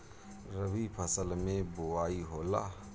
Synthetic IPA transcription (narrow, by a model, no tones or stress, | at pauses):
ɾəbipʰəsəlmẽboaːiɦoːla̰ː